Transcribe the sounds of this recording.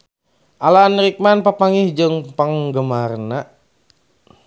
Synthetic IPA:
ʔalanɾik̚manpapaŋihd͡ʒəŋpəŋɡəmarna

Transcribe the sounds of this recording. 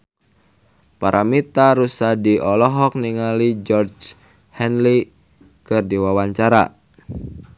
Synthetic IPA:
paɾʔamit̪aɾusadiʔɔlɔɦɔk̚niŋalid͡ʒɔrd͡ʒ | hɛnli | kɨrdiwawaɲt͡ʃaɾa̰

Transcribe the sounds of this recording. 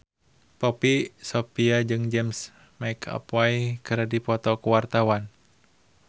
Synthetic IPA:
pɔpisɔpiad͡ʒɨŋd͡ʒɛms | majkʰa̰pwajkəɾadipɔt̪ɔkuwart̪awan

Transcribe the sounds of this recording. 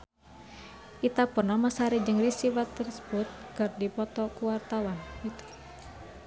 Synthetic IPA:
ʔit̪apərnahmasaɾid͡ʒɨŋrisiwat̪ːərsə̥but̪̚kɨrdipɔt̪ɔkuwart̪awanit̪

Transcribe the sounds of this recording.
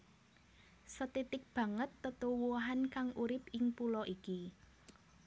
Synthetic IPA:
sət̪it̪ɪk̚b̥ä̤ŋət̪ːət̪uwuɦankaŋuɾɪpɪŋpulɔʔiki

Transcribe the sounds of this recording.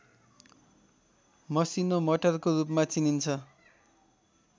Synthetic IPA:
mʌsinomʌʈʌrkoɾupmat͡sinint͡sʰʌ

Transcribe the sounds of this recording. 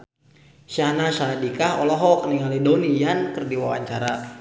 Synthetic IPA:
ʃahnasadikaɦɔlɔɦɔkəniŋalidonijankərdiwawa̰ɲt͡ʃaɾa

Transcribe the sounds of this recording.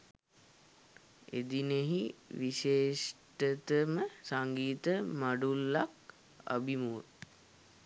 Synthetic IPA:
ḛd̪ineɦiʋiʃeːʂʈət̪əməsaŋɡiːt̪əmaɖulːak̚ | a̰bimuʋə

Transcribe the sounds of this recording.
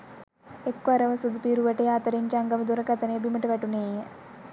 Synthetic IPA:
ekːaɾɐʋɐsud̪piɾuʋɐʈeaːt̪ɐɾimt͡ʃaŋɡɐmd̪uɾɐkɐt̪ɐnebimɐʈɐʋɛʈuneːjɐ

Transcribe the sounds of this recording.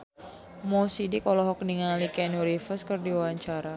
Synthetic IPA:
mɔsidikɔlɔɦɔk̚niŋalikɛnuɾifəskərdiwawaɲt͡ʃaɾa

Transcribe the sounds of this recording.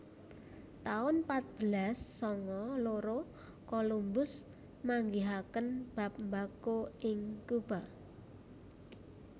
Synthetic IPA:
t̪aʊnpat̪̚b̥əlasːɔŋɔloɾo | kolumbʊs | maŋɡiɦakənb̥a̤p̚mbakoɪŋkub̥a

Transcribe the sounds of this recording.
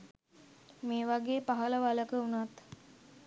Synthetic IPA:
meːʋaɡeːpaɦələʋaləkəunat̪

